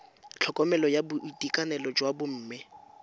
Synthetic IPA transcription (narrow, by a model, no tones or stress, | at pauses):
t͡ɬʰɔkʼɔmɛlɔjabʊʔitʼikʼanɛlɔd͡ʒwabʊm̩ːmɪ